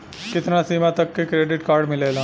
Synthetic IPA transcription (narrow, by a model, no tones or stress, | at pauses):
kɪt̪nasiːmat̪ɐkːekɾeːɖɪʈkaːɾɖmɪleːlã